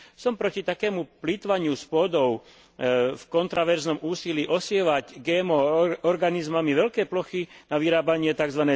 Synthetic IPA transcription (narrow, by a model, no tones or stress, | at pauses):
sɔmpɾɔcit̪akɛːmuplit̪ʋaɲɪuspʊɔd̪ɔʊ | fkɔnt̪ɾaʋɛɾznɔmuːsiliːʔɔsɪɛʋaɟɡɛːmɔɔɾɡanizmamiʋɛʎkɛːplɔxinaʋiɾaːbaɲɪɛt̪aɡzʋanɛ